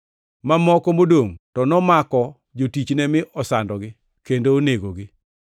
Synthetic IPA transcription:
mamɔkɔmodoŋtɔnɔmakɔ | d͡ʒotit͡ʃnɛmɪʔɔsandɔɡɪ | kendoːneɡoɡɪ

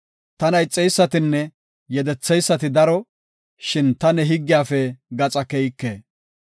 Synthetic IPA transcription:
t̪ɐnɐjt͡sʼːɛjsːɐt̪ɪnːɛ | jɛd̪ɛt͡sːɛjsːɐt̪ɪd̪ɐɾɔ | ʃɪnt̪ɐnɛɦɪɡːɪjaːfɛɡɐt͡sʼɐkɛjkːḛː

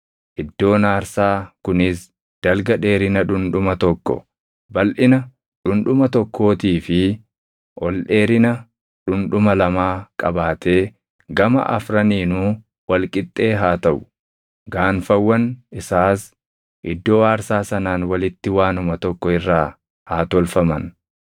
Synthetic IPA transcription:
ʔɪd̪ːo̞ːnaːɾsaːkʊnɪs | d̪̥ɐlɡɐᶑe̞ːɾɪnɐᶑʊnᶑʊmɐt̪ɔkːɔ̰ | bɐlʔɪnɐ | ᶑʊnᶑʊmɐt̪ɔkʰːo̞ːt̪iːfɪ | ʔɔlᶑe̞ːɾɪnɐ | ᶑʊnᶑʊmɐlɐmaːkʼɐbaːt̪ʰe̞ː | ɡɐmɐ̰ʔɐ̰fɾɐniːnuː | wɐlkʼɪt̪ʼːe̞ːɦaːt̪ɐʔʊ | ɡaːnfɐwːɐnɪsaːs | ʔɪd̪ːo̞ːaːɾsaːsɐnaːnwɐlɪt̪ːɪwaːnʊmɐt̪ɔkːɔɪrːaː | haːt̪ɔlfɐmɐn

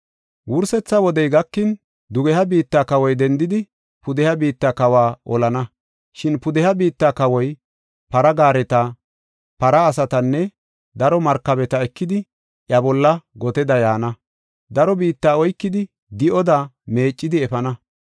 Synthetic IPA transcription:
wʊɾsɛt͡sːɐwɔd̪ɛjɡɐkːɪn | d̪ʊɡɛhɐbiːt̪ːaːkɐwɔjd̪ɛnd̪ɪd̪ɪ | pʊd̪ɛhɐbiːt̪ːakɐwaːʔɔlɐnɐ | ʃɪnpʊd̪ɛhɐbiːt̪ːaːkɐwɔj | pɐɾɐɡaːɾɛt̪ɐ | pɐɾɐːsɐt̪ɐnːɛ | d̪ɐɾɔmɐɾkːɐbɛt̪ɐɛkːɪd̪ɪ | ʔjɐbɔlːɐɡɔt̪ɛd̪ɐjaːnɐ | d̪ɐɾɔbiːt̪ːaːɔjkːɪd̪ɪ | d̪ɪʔɔd̪ame̞ːt͡ʃʼːɪd̪ɪɛfɐnɐ

